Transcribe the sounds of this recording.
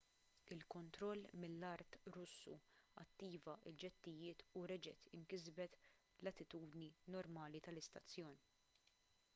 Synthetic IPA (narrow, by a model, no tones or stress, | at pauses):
ɪlkɔnt̪ɾɔlːmɪlːɐɾt̪ɾʊsːṵɐ̰t̪ːiːvɐʔɪld͡ʒɛt̪ːɪjɪːt̪uɾɛd͡ʒɛ̰t̪ɪŋkɪzbɛt̪ | lɐt̪ːɪt̪uːd̪ninɔɾmɐːlit̪ɐlɪst̪ɐt͡sːjɔːni